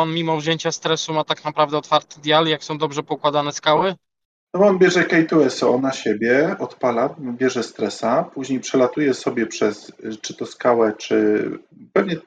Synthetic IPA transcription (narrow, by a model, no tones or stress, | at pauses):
ɔnmʲimɔvʑjeɲt͡ɕast̪ɾɛsumat̪aknapɾavd̪ɛɔt̪faɾt̪ɘ̥d̪ʲjaljaksɔ̃w̃d̪ɔbʐɛpɔukwad̪anɛskawɘ | nɔbɔɔnbʲjɛʐɛkɛjt̪uɛsɔɔnaɕebʲjɛɔt̪palanbʲjɛʐɛst̪ɾɛsapuʑɲejpʂɛlat̪ujɛsɔbʲjɛpʂɛst͡ʂɘt̪ɔskawɛt͡ʂɘ̰pɛvɲɛ